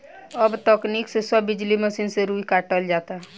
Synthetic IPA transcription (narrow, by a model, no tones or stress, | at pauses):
əbt̪əkniksesəbːɪd͡ʒliməsiːnseɾuikaʈəld͡ʒaːt̪aɦ